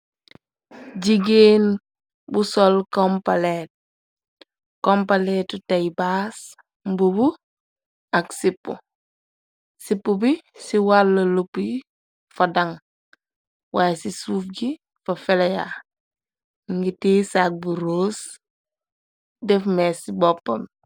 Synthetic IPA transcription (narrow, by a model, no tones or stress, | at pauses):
ɟiɡeːn | busɔlkɔmpaleːt̚ | kɔmpaleːtutajbas | mbubu | aksipːṵ | sipːubisiwalːɐlupi | fɐdɐŋ | waːjsisuːfɡi | fɐfeleja̰ | ŋɡitiːsak̚buɾoːs | dɛfmɛsibɔpːɐm